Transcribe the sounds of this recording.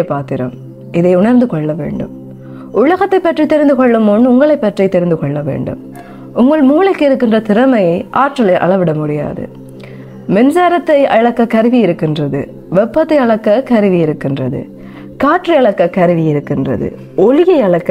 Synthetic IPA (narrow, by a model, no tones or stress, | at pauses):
ɐpaːt̪ɪɾɐ̰m | ʔɪðɐɪʊɳɐɾnd̪ɯkɔɭːɐʋḛːɳɖɯ̰m | ʔʊɻɐɣɐt̪ːɐɪpːɐʈrit̪ɛɾɪnd̪ɯkɔɭːɯmonːɯʊŋɡɐɭɐɪpːɐʈrit̪ːɛɾɪnd̪ɯkɔɭːɐʋḛːɳɖɯ̰m | ʊŋɡɐɭmuːlɐɪkːɯɪɾɯkːɪndrɐt̪ɪɾɐmɐjɐɪʔaːʈrɐlɐɪʔɐ̰ɭɐʋɪɽɐmʊɽɪja̰ːðɯ̰ | mɛnsaːɾɐt̪ːɐɪʔɐɭɐkːɐkɐɾɯʋiɪɾɯkːɪndrɐðɯ̰ | ʋɛpːɐt̪ːɐɪɐɭɐkːɐkɐɾɯʋijɪɾɯkːɪndrɐðɯ̰ | kaːʈriɐɭɐkːɐkɐɾɯʋɪjɪɾɯkːɪndrɐ̰ðɯ̰ | ɔlɪjɐɪɐɭɐkːɐ